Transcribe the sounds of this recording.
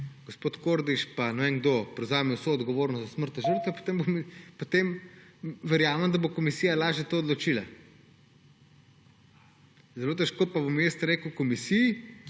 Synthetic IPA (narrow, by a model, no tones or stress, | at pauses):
ɡ̥ospoːt̪koɾd̪it͡ʃpanoɛŋɡd̪opɾɛwzaːmiwsoːd̪ɡɔʋoːɾnɔsd̪ɐsməɾt̪aʒəɾt̪ʋɛpo̥t̪eːmbomipot̪em | ʋɛɾjaːmɛmd̪ɐbokomisijalaːʒjɛt̪oːd̪lot͡ʃila | zɛloːt̪ɛʃkoːpabomjest̪ɾeːkəwkɔmisiji